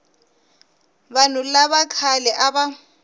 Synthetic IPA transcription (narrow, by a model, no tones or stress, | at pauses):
banʊlaβakʰalɛʔaba